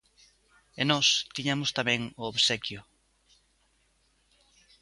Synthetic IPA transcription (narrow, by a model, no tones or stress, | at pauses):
enɔst̪iɲamʊst̪amɛ̃ŋooβsɛkjʊ